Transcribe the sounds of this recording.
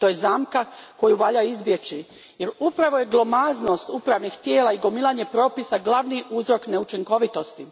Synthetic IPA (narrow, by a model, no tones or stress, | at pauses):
t̪o̞ːjezaːmkako̞juʋaːʎaizbje̞t͡ʃi | jeɾupɾaʋo̞je̞ɡlˠo̞mazno̞st̪upɾaʋnixt̪je̞ːlaiɡo̞milˠaɲe̞pɾo̞ːpisaɡlˠaʋniʔuzɾo̞kne̞ut͡ʃiŋko̞ʋit̪o̞st̪i